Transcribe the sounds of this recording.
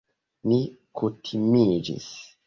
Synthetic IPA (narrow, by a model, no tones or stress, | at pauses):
ni | kutʰimid͡ʒḭs